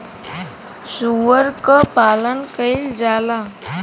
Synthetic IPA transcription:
suʋəɾkəpaːlənkəɪld͡ʒaːla

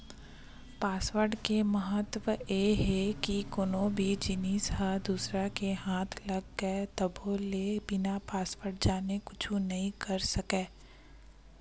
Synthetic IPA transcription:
paːswəɾɖkemɐɦət̪wəjeɦɛkikʊnõbʱid͡ʒɪniːsɦad̪uːsɾakeɦãːt̪ʰlɐɡːɛt̪ɐbʱolebɪnapaːsʋəɾɖ̚d͡ʒaːnekʊt͡ʃʰũnɐɦĩkɐɾsɐkeː

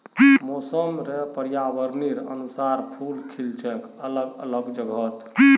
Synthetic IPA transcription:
mosəmɾepəɾjaʋəɾniɾənusaɾpʰulkʰilt͡ʃʰɛkələɡələɡd͡ʒəɡʱət̪

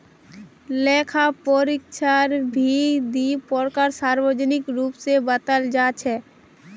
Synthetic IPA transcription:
leːkʰapoɾɪkʃʰaɾbʱid̪ipɔɾkəɾsaːɾwəd͡ʒnɪkɾuːpsebət̪əld͡ʒaːt͡ʃʰɛː

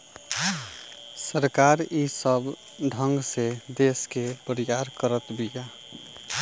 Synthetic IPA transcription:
səɾkaɾisəb | ɖʱəŋɡsed̪eskepəɾijaɾkəɾət̪bija

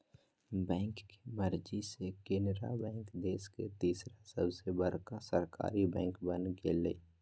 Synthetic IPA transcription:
bɛ̃ːŋkːe̥məɾd͡ʒisekeːnɾa̰bɛ̃ːŋkd̪eːsket̪iːsɾasəbsebəɾkasəɾka̰ːɾibɛ̃ːŋkbənɡelḛː

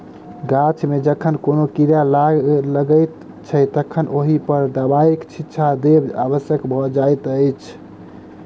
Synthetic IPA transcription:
ɡat͡ʃʰmed͡ʒəkʰənkonokiɾjalaləɡəɪt̪ | t͡ʃʰət̪əkʰənʔoɦipəɾd̪abaikt͡ʃʰitːʃʰad̪eba̰bəsjəkbʱɔd͡ʒajt̪əɪt͡ʃʰ

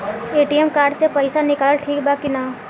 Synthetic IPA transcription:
eːʈijemkaːɾɖsepəɪsanɪkaːləlʈʰiːk̚baːkina

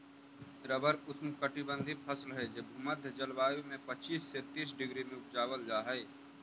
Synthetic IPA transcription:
ɾəbəɾʊsmkəʈɪbə̃nd̪ʱipʰəslɦɛd͡ʒebʱuməd̪ʱəd͡ʒəlʋaːjumẽpət͡ʃiːsːet̪iːsɖɪɡɾimẽʊpd͡ʒaːwəld͡ʒaːɦɛː

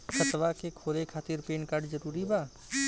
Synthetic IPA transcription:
xət̪ʋakekʰoːlekʰaːt̪ɪɾpeːnkaːɾɖzəɾuːɾibaː

